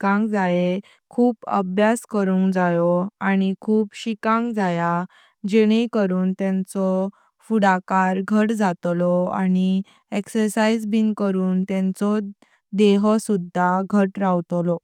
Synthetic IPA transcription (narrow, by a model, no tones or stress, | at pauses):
kãŋɡd͡zae | kʰuːpə̰bʱjaskəɾũŋɡd͡zajɔaɽ̃ikʰuːpɕikãŋɡd͡zaja | d͡ʑeɽ̃ekəɾuːnt̪jãnt͡sɔ | fuɽakaɾɡʱəʈd͡zat̪lɔa̰ɽ̃i | eksəɾsaid͡zbinkəɾuːnt̪jãnt͡sɔ | d̪eɦəsud̪ʱːaɡʱəʈɾawt̪lɔ